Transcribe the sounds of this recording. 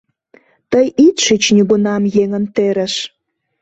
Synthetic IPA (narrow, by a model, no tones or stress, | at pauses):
t̪əjit̪ʃyt͡ɕnʲiɣunɑmjeŋənt̪eɾə̆ʃ